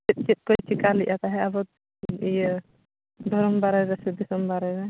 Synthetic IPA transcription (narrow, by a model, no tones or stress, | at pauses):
t͡ʃit̪̚t͡ʃit̪̚ˀkojt͡ʃʰikaliʔat̪aɦɛabɔt̪ | ij | d̪ʱɔɾɔmbaɾajɾɛsɛd̪isɔmbaɾajɾɛ